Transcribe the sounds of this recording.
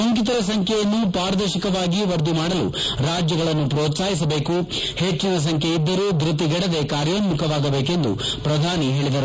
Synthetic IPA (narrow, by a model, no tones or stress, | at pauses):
ɐŋkit̪ɐɾɐs̬ɐŋkʰjɛjɐnːupaːɾɐd̪ɐɾʃikɐʋaːɡiʋɐɾd̪imaːɽɐlṵɾaːd͡ʒjɐɡɐɭɐnːupɾoːt̪saːɦis̬ɐbe̞ːku | he̞t͡ʃːinɐs̬ɐŋkʰeid̪ːɐɾuːd̪ɾit̪iɡɛɽɐd̪e̞kaːɾjɐnmukʰɐʋaːɡɐbe̞ːke̞nd̪ṵ | pɾɐd̪ʱaːniɦe̞ːɭid̪ɐɾu